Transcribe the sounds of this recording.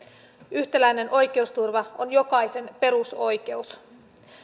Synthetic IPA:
yçt̪elæjne̞nʔo̞jk̟e̞ust̪urʋɑonjo̞kɑjse̞npe̞ɾuso̞jk̟e̞us

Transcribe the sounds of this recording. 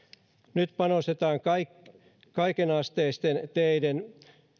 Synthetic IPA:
nyt̪pɑnost̪et̪ɑːŋkɑik | kɑikenɑst̪eist̪ent̪eiden

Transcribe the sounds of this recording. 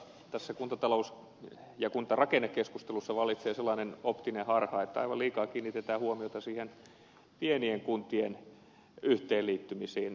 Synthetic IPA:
t̪æsːækunt̪ɑt̪ɑlous | jɑkunt̪ɑrɑkenːekːeskust̪elusːɑʋɑlːˑit̪seːselːˑɑːnenopt̪inehɑrhɑːet̪ːæɑ̰iʋɑliːkɑːkiːnːit̪et̪æːhuomiot̪ɑsiːhen | pienieŋkunt̪ien | yht̪eːliːt̪ːymisiːn

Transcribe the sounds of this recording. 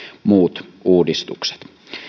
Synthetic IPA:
muːt̪ʔuːdist̪ukse̥t̪

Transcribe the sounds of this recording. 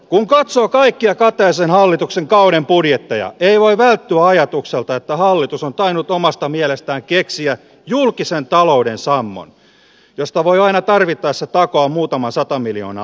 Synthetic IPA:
kuŋkɑt̪soːkɑikːiɑkɑt̪eːsenhɑlːit̪ukseŋkɑuɾempudjet̪ːejɑ̰eiʋoiʋælt̪ːyæɑjɑt̪ukselt̪ɑet̪ːæhɑlːit̪usont̪ɑinut̪omɑst̪ɑmielest̪æːŋkeksiæ | julkisent̪ɑloudensɑmːo̰n | jost̪ɑʋoiɑinɑt̪ɑrʋit̪ːɑːset̪ɑkoɑmmuːt̪ɑmɑnsɑt̪ɑmilio̰ːnɑ̰

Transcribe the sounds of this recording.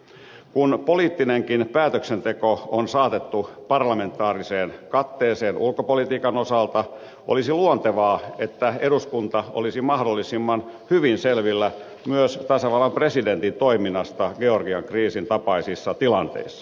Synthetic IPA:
kunpoliːt̪ːineŋkinpæːt̪øksent̪ekoonsɑːt̪et̪ːupɑrlɑme̞nt̪ːˑɑːriseːnkɑt̪ːeːseːnʔulkopolit̪iːkɑnosɑlt̪ɑ | ʔolisiluont̪eʋɑːet̪ːæeɾuskunt̪ɑʔo̰lisimɑhdolːisimːɑn | hyʋinselʋilːæ | myøst̪ɑsɑʋɑlːɑmpresident̪int̪oiminːɑst̪ɑɡeorɡiɑŋkriːsint̪ɑpɑisisːɑt̪ilɑnt̪ḛisːɑ̥

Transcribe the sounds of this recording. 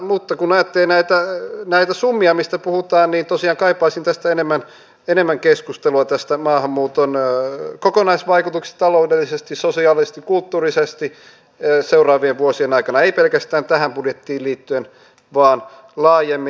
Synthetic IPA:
mut̪ːɑkunɑjɑt̪ːelinæit̪ænæit̪æsumːiɑmist̪æpuhut̪ɑːnniːnt̪osiɑːŋkɑipɑisint̪æst̪æenemːæn | enemːæŋkeskust̪eluɑt̪æst̪æmɑːhɑmːuːt̪onkokonɑisʋɑikut̪uksi̥t̪ɑloudelːisest̪isosiɑlisest̪ikult̪ːuːrisest̪i | seurɑːʋieʋʋuosienɑikɑnɑeipelkæst̪æːnt̪æhæmpudjet̪ːiːlliːt̪ːyen | ʋɑːn | lɑːjemːi

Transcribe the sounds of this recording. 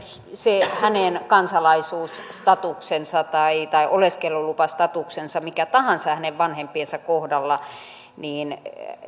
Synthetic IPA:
sehænenkɑnsɑlɑisuːsst̪ɑt̪uksensɑt̪ɑit̪ɑiʔoleskelːulupɑst̪ɑt̪uksensɑmikæt̪ɑhɑnsɑhæneʋʋɑnhempiensækkohdɑlːɑ | niːn

